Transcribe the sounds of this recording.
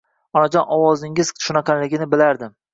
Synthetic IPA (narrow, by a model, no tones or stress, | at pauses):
ɒnad͡ʒɒnʔɒwɒzɪŋɪz̥ʃʊnaqʰanlɪɡʲɪnɪbɪlaɾd̪ɪ